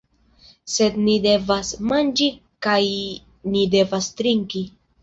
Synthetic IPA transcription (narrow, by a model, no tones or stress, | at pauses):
se̞d̪nide̞vasmand͡ʒi | kaj | nide̞vast̪ɾiŋki